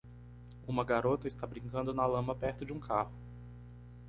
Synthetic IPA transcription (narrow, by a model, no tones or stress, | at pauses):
ũmɐɡaɾot̪ɐɪst̪abɾĩŋkɐ̃nd̪ʊnɐlɐ̃mɐpɛɾt̪ʊd͡ʒɪũkʰahʊ